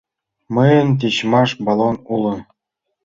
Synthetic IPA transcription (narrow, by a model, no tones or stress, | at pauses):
mɤjə̆nt̪̬iɕmɑʂbɑlˠonulɤ̆